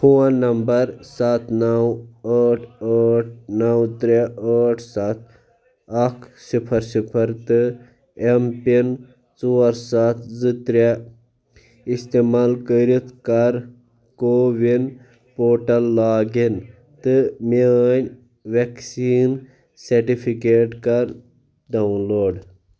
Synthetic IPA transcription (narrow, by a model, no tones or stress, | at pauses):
fʰoːãnːɐmbɐɾsat̪ʰnɐwəːʈʰəːʈʰnɐwt̪ɾeəːʈʰsat̪̚ʰ | ɐkʰsipʰɐɾsipʰɐɾt̪ɨ | empin | t͡soːɾsat̪ʰzɨt̪ɾe | ist̪eːmaːlkəɾit̪ʰkɐɾ | koːʋin | poːʈɐlːaːɡin | t̪ɨmenʲ | ʋeksiːn | seɾʈipʰikeːʈkɐɾ | ɖawnloːɖ